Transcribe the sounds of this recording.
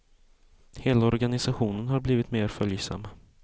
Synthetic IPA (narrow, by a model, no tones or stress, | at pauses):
heːlaɔɾɡanɪsaɧuːnənhaɾbliːvɪt̪meːɾfœljsa̰mː